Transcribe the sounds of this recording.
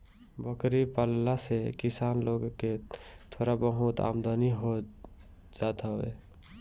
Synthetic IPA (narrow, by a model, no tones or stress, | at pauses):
bəkɾipaːlːasekɪsaːnloːɡket̪ʰoːɾabəɦut̪a̰ːmd̪ʱaniɦo | d͡ʒaːt̪aʋḛː